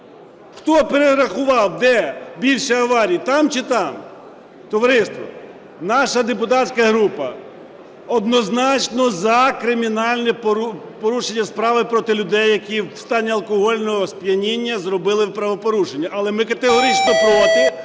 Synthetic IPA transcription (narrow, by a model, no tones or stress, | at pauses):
xt̪ɔpeɾeɾɐxʊʋɑwd̪ɛbʲilʲʃɛɐʋɑɾʲijit̪ɑmt͡ʃɪt̪ɑm | t̪ɔʋɐɾɪst̪ʋɔ̰ | nɑʃɐd̪e̞pʊt̪ɑt͡sʲkɐɦɾupɐ | ɔd̪nɔznɑt͡ʃnɔzɐkɾɪmʲinɑlʲnɛppɔɾuʃenʲːɐspɾɑʋɪpɾɔt̪ɪlʲʊd̪ɛjːɐkʲist̪ɑnʲːiɐlˠkɔɦɔlʲnɔɦɔspʲjɐnʲinʲːɐzɾɔbɪlˠɪwpɾɐʋɔpɔɾuʃenʲːɐʔɐlˠɛmɪkɐt̪eɦɔɾʲit͡ʃnɔpɾɔt̪ɪ